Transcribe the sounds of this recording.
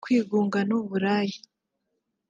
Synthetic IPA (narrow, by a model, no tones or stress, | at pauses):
kwiːɡuːŋɡanuβuɾaːji